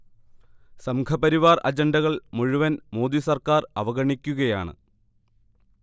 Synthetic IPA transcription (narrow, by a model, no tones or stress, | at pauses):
sɐmkʰɐbɐɾiʋaːrʔɐ̰d͡ʑɐndɐɣɐɭmuɻuʋɐnmo̞ːd̪isɐrkaːrɐ̰ʋɐɣɐɳikʲːuɣɐjaːɳɨ̰